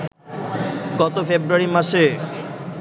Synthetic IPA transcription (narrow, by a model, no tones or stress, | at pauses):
ɡɔt̪ofebɾuaɾimaʃe